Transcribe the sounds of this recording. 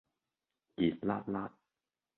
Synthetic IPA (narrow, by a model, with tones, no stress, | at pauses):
ki˨˩t̚la̰ː˦˥t̚laː˦˥t̚